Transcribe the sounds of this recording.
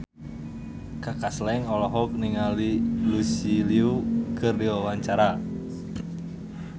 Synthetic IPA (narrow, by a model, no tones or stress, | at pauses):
kakaslɛŋɔlɔɦɔk̚niŋalilusiliukərdiwawaɲt͡ʃaɾa